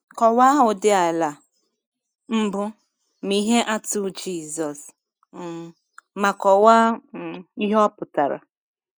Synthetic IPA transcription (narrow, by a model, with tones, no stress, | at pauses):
kɔ˨wa˦ɦʊ˨dɪ˦a˨la˨ | m̩˦bʊ˦ | mi˦ɦe˦ʔa˦tu˦d͡ʒi˦zɔ˨s | ma˨kɔ˨wa˦˨ | i˦ɦɔ˦pʊ˨ta˨ɾa̰˨